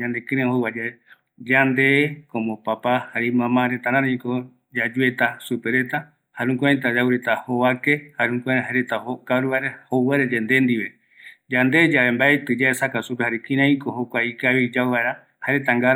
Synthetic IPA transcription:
ɲãnd̪ekĩɾẽhoβad͡ʒae | d͡ʒand̪ekõmopapahaɾemãmãɾet̪aɾãɾãĩko | d͡ʒad͡ʒue̞t̪asupe̞ɾe̞t̪a | haɾũŋkuãjt̪̬ad͡ʒawɾet̪ahoβakehaɾũŋkʷãɾẽɦaɾet̪ahokaɾuβaɾahoweɾeɾend̪end̪iβe | d͡ʒand̪e̞d͡ʒaβembaet̪ɨd͡ʒaesakasupehaɾekĩɾãĩkohokʷaikaβid͡ʒawβaeɾa | haɾet̪aŋɡaɾ

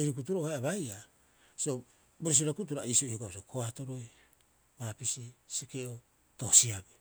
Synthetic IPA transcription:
eɾik̬utuɾohajaβaja | sio | bois̬iɾakut̬uɾaisioioɡabosiokʰoatoɾo̞j | baːpisisekeʔo | tohsiabe

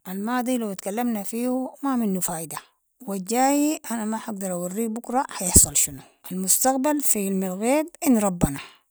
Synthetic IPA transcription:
ʔalmaːd̪ˤilawt̪kalːamnafiːhumaminːufaːʔid̪a | waɟaːjiʔanamaħaɡ̚d̪ɑɾˤʔawarːiːbʊkɾˤɑħajɪħsˤɑlʃinu | ʔalmust̪aqbalfilmɪlɣeːbʔɪnːɾˤɑbːana

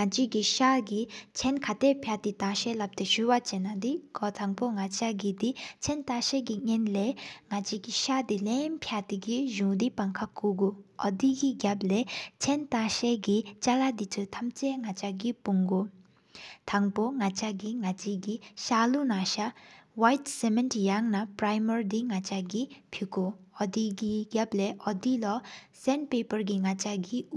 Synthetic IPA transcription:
ŋat͡ɕikiɕaɡit͡ɕʰɛnkʰat̪eʔpʰjat̪it̪aɕɛlap̚t̪eɕuːwat͡ɕenad̪ikɔt̪ʰaŋpoŋat͡ɕaʔɡid̪it͡ɕʰɛnt̪aɕɛːkiŋɛnleːŋat͡ɕikiɕat̪ilɛnpʰaʔt̪ikiʑuŋd̪ipaŋkʰakuːɡuʔɔd̪ikiɡap̚leːt͡ɕʰɛnt̪aɕɛːɡit͡ʃalad̪itʰɯt̪ʰamt͡ʃeŋat͡ʃaɡipuŋɡo | t̪ʰaŋpoŋat͡ʃaɡiŋat͡ʃiɡiʃalunaʃawajtsementjaŋnapɾajmɔɾd̪iŋat͡ʃaɡipʰikoɔd̪iɡiɡʲapleʔɔd̪ilɔsɛnpepəɾɡiŋat͡ʃaɡi

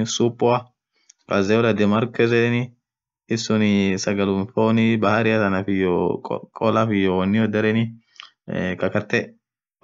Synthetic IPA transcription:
supʼːʊɐ | kʼɐzɛjɔlɐd̪ɛmɐɾkɛzɛnɪ | ɪsːɔnɪsɐɡɐlʊmfonɪbɐhɐɾɪjɐt̪ɐnɐfɪjokʼɔlɐfɪjɔwɔnːɪjɔd̪ɐɾɛnɪ | kɐkɐt̪ːɛ

